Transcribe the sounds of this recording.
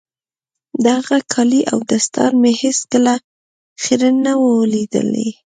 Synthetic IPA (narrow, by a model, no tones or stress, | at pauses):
d̪aɣakʰɑliʔa̰wd̪ast̪ɑ̰ɾmeheskəla | xiɾənawəlid̪ə̰lḛ